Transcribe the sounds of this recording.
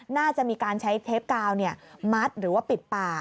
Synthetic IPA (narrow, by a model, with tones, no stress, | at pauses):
naː˥˩t͡ɕa˨˩ʔmiː˧kaː˧nt͡ɕʰa˦˥jt̪ʰe˦˥p̚kaː˧wni˥˩ɐma˦˥t̪̚ɾɯː˩˦waː˥˩pi˨˩t̪̚paː˨˩